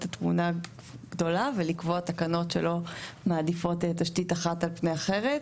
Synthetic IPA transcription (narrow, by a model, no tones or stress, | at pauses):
tatmuna | ɡ̥do̞lavelikvoat̪akano̞tʃḛlo̞maːdifo̞tetaʃtitaχatalpneaχe̞ʁet